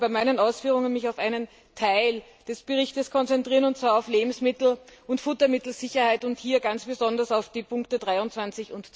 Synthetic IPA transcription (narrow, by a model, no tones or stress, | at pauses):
b̥aɪmaɪnənaʊsfyːʁ̞ʊŋənmɪçaʊfʔaɪnən | tʰaɪl | d̥ɛsb̥əʁɪçtəskʰɔnt͡sɛntʁ̥iːɐənʊnt̚t͡sv̥aːɐɑʊfleːbm̩smɪtl̩ʊntfʊtɐmɪtl̩z̥ɪçɐhaɪtʊnthiːɐɡant͡sb̥əzɔndɐsaʊfd̥iːpʰʊŋktədʁaɪʊntt͡sv̥ant͡sɪçʊntt͡s